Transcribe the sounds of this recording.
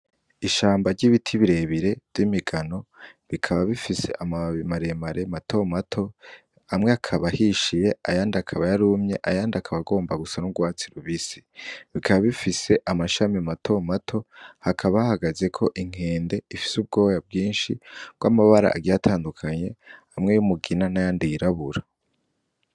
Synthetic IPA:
iʃaːmbaɾɟiβitʰiβiɾe̞βiɾe̞vjimiɡano̞βikʰaβaβifise̞̰ʔamamaɾemaɾematʰo̞matʰo̞ | amŋeakʰaβahiʃije̞ajaːndiakʰaβajaɾumɲe̞ʔajaːndiakʰaβaɡo̞ːmbaɡusanuɡwaːt͡siɾuβisi̥βikʰaβaβifise̞ʔamaʃamiamatʰo̞matʰo̞hakʰaβahahaɡaze̞kʰo̞ʔiŋ̥e̞ːnde̞ifi̥sub̚ɡo̞ːjab̚ɡiːnʃib̥ɡwamaβaɾa̰ʔa̰ɡijatʰaːndukʰaɲe̞amŋe̞jumuɡinanajaːndiɾaβuɾa

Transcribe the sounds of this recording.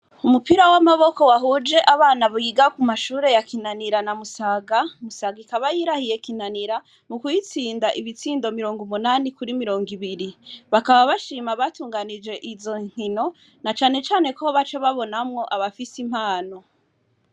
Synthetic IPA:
umupiɾawamaβo̞ko̞waɦud͡ʒe̞ʔaβaːnaβujiɡakumaʃuːɾe̞jakinaniɾanamusaɡamusaɡikaβajiɾahije̞kinaniɾa | mukujit͡siːndaʔiβit͡siːndo̞miɾo̞ːŋɡumunanikuɾimiɾo̞ːŋɡiβiɾiβakaβaβaʃiːmaβatuːŋɡanid͡ʒe̞ʔizo̞ŋ̥hino̞ | nat͡ʃaːne̞t͡ʃaːne̞kooβat͡ʃaβaβo̞namŋo̞ʔaβafisim̥haːno̞

